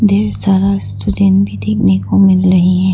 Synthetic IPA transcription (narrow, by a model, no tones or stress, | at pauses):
d̪eːɾsaːɾast̪udɛ̃ːnbʱid̪eːkʰnekomɪlɾɐɦiɦɛ̃ː